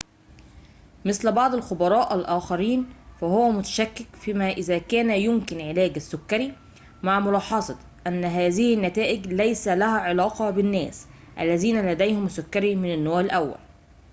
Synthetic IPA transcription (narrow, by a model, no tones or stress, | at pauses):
mɪslbɑʕd̪ˤɪlxʊbɑɾˤɑːʔælʔæːxɑɾiːnfæhʊwæmʊt̪æ̥ʃækːɪkfiːmæʔɪzæːkæːnæjʊmkɪnʕɪlæːɡæsːʊkːæɾi | maʕmʊlɑːħɑsˤɑt̪ˤʔænːɦæːzɪhɪnːæt̪æːʔɪɡlæjsælæhæːʕelɑːqɑbɪnːæːs | ʔæ̰lːæziːnælæd̪æjhʊmsːʊkːæɾimɪnɪnːoːʕɪlʔæwːæ̰l